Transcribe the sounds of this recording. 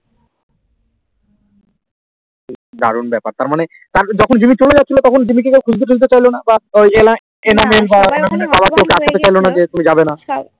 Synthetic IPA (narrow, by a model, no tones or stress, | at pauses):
d̪a̰ɾunbɛpa̰ɾt̪aɾmane | t̪aɾd͡ʑɔkʰond͡ʑumit͡ɕoled͡ʑatːt͡ɕʰilot̪ɔkʰond͡ʑumik̬ekewkʰud͡ʑd̪eʈʰud͡ʑt̪et͡ɕajlonabaojela | enamelbaenamenebabakewkeaʃʰat̪et͡ɕajlonad͡ʑet̪umid͡ʑabena